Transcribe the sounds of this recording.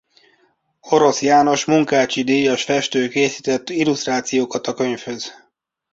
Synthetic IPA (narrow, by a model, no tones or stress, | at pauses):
o̞ɾo̞sjaːno̞ʃmuŋkaːt͡ʃid̪iːjɒʃfɛʃt̪øːkeːsit̪ɛt̪ːilust̪raːt̪sijoːkɒt̪ɒkø̞ɲfhø̞z̥